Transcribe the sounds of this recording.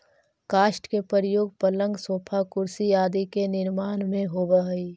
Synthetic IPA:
kaːʃʈkepəɾjoːɡ̚pələ̃ŋɡsoːpʰakʊɾsijaːd̪ikenɪɾmaːnmẽɦobəɦi

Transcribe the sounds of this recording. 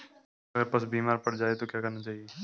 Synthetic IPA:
ɐɡəɾpɐsbiːmaːɾpɐɽd͡ʒaːet̪okjaːkɐɾnat͡ʃaːɦieː

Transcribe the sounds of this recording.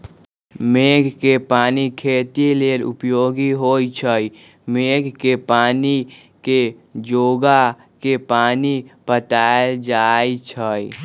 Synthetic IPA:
meːɡkepaːnikʰeːt̪ileːlʊ̰pjoːɡiɦoːit͡ʃʰəi | meːɡkepaːni | ked͡ʒoːɡa | kepaːnipət̪aːed͡ʒaːit͡ʃʰəi

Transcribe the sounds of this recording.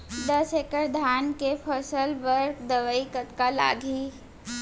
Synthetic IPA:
d̪əsekəɾd̪ʱaːnkepʰəsəlbəɾkd̪əʋəikət̪kala̰ːɡʱi

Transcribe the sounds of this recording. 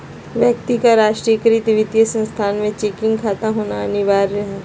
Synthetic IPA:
ʋjək̚t̪ikaɾaːʃʈɾijəkɾit̪ʋɪt̪ijəsə̃nst̪ʰaːnmẽt͡ʃekɪ̃ŋɡkʰaːt̪aɦoːnaɐnɪʋaːɾːɐɦɛ

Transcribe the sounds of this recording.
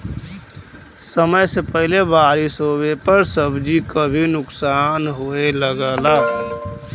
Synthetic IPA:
səməjsepəɦɪlebaːɾisobepəɾsəbd͡ʒikəbʱinʊksaːnɦoeləɡəla

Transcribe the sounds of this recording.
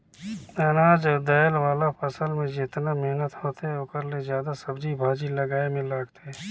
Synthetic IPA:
ɛːnaːd͡ʒd̪ɛːlwaːlapʰəsəlmẽd͡ʒɪt̪nameɦnət̪hoːt̪eɦɛoːkəɾlezjaːd̪asɐbd͡ʒʱibʱaːd͡ʒilɐɡaːemẽlaːɡt̪eɦɛː

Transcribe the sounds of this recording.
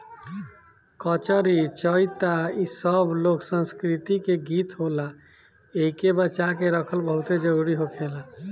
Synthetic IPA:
kət͡ʃəɾit͡ʃəjt̪aisəbloksə̃nskɾit̪ikeɡit̪ɦola | eikebət͡ʃakeɾəkʰəlbəɦut̪ed͡ʒəɾuɾiɦokʰela

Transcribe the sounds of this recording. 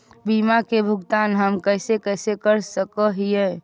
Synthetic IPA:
bimakebʱʊɡt̪aːnɦəmkəɪsekəsekəɾsəkəɦie

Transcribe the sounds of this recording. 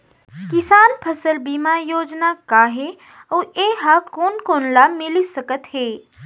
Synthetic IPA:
kɪsaːnpʰɐsəlbimajoːd͡ʒnakaːɦe | ɔːeːɦakoːnkoːnlamɪlisɐkət̪heː

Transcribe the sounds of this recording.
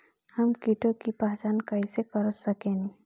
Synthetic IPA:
həmkiʈõkipaːt͡ʃaːnkəisekəɾəsəkeːni

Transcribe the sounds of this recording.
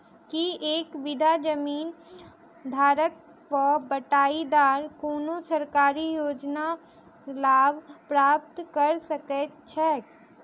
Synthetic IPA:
kieːkʋɪd̪ʱad͡ʒəmiːn | d̪ʱaːɾək̚ | pəbəʈaːid̪aːɾkoːnosɐɾkaːɾijoːd͡ʒna | laːbpɾaːp̚t̪kəɾsəkɛt͡ʃʰɛː

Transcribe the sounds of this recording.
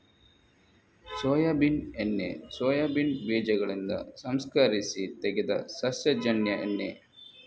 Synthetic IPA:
soːjaːbinenːḛsoːjaːbinbiːd͡ʒɐɡɐɭind̪ɐ̰sɐmskaːɾisit̪ɛɡed̪ɐ̰sɐsjɐd͡ʒɐɳjɐʔḛnːḛ

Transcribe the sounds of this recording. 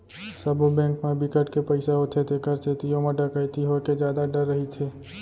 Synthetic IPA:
səbobɛ̃ːŋkmẽbɪkəʈkepəɪsaɦot̪ʰet̪ʰekəɾset̪ijoməɖəkajt̪iɦoked͡ʒjaːd̪aɖ̪əɾːəɦit̪ʰeː

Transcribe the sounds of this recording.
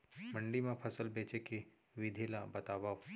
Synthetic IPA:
mɐ̃ɳɖimẽpʰɐsəlbeːt͡ʃeki | ʋid̪ʱilabɐt̪aːba

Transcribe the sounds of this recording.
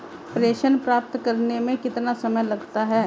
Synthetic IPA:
pɾeːʃənpɾaːp̚t̪kɐɾnemẽkɪt̪nasɐməjlɐɡt̪aɦɛː

